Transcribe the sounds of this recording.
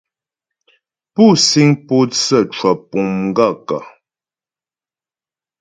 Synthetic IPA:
pu˦˨si˦ŋpo˦t͡sə˦˨t͡ʃwɔ˨pu˨mŋ̩˦ɡa˦˨ka̰˨

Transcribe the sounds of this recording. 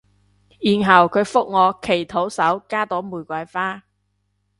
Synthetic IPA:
jiː˨nɦɐ˨˩wkʰɵ˨˧ɥfʊ˥k̚ŋɔː˨˧kʰe˨˩jt̪ʰo˨˥wsɐ˨˥wkaː˥t̪ɔː˨˥muː˨˩jkʷɐ˨˧˥jfaː˥

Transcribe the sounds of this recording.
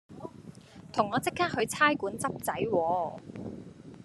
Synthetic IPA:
t̪ʰʊ˨˩ŋɔː˨˧t͡sɪ˥kʰːaː˥k̚hɵ˨˧ɥt͡sʰaː˥jkuː˨˥nt͡sɐ˥p̚t͡sɐ˨˥jwɔː˨˧

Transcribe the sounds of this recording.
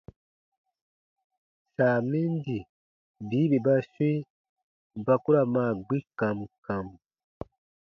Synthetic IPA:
ʃaː˨mi˦ndi˨ | bi˦βi˨ba˦ʃwi˦ | ba˦ku˦ɾa˨ma˨ɡ͡bi˦ka˨mu˨ka˨mu˨

